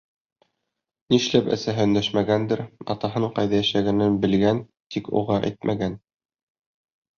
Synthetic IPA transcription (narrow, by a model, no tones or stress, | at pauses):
niʃlæpæ̰sæɦɘ̆nd̪æʃmæɡænd̪ɘɾɑ̰t̪ɑɦɤɴqɑjðæjæʃæɡænɘnbɘ̆lɡæn | t̪ikṵʁɑʔæ̰jt̪̚mʔæɡæn